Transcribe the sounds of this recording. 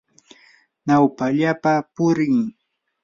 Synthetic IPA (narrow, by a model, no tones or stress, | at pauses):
nawpaʎapapʊɾɪŋ